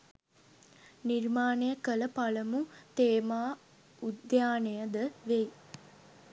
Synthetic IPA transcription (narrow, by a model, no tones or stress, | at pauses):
nirmaːnejəkələpaləmut̪eːmaː | ud̪jaːnejəd̪əʋej